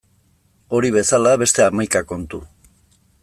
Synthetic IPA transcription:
o̞ɾiβe̞salaβe̞st̪e̞amajkako̞nt̪u

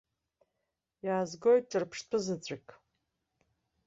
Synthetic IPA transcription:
jaːzɡo̞jt̚ʼt͡ʃʼɨrpʰʂtʰɨzɨt͡sʷʼakʼ

